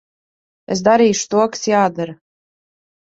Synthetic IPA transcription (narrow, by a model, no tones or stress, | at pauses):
es̬d̪aɾiːʃu̥t̪uɔkḁsjaːd̪aɾ